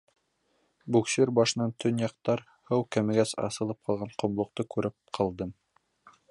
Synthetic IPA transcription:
bukseɾbɑʃɤ̆nɑnt̪ʰɵnjɑq̚t̪ɑɾ | hɤwkæmɘ̆ɡæsɑ̰sɤ̆lˠɤp̚qʰɑlˠʁɑɴqŏmbˠŏq̚t̪ɤkʉɾɘp̚qʰɑlˠd̪ɤm

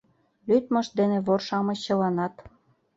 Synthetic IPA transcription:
lyt̪mɤ̆ʃ̚d̪enĕβorʃɑmɤ̆ɕɤ̆lɑnɑt̪

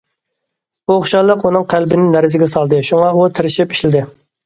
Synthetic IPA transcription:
buχʃɑlˠəqunɨŋqʰælbɪnɪnːæɾɪzɪɡʲɛsɑlˠd̪ɨʃuŋɑut̪ʰɪɾɪʃipi̥ʃlɪd̪ɪ

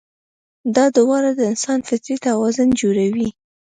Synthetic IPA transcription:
d̪ɑd̪ʊwɑɾad̪əɪnsɑnfɪt̪ɾit̪awɑzʊnd͡ʒoɾawi

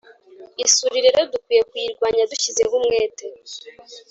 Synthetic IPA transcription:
isuɾiɾiɾodukwiːje̞kwiːɾɡwaːɲaduçizeβumŋe̞ːte

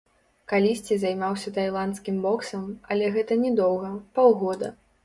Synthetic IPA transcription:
kalʲisʲt͡sʲizajmawsʲɐt̪ajlˠant̪skʲimbɔksɐmɐlʲɛɣɛt̪ɐnʲɛd̪ɔwɣɐpawɣɔd̪ɐ̰

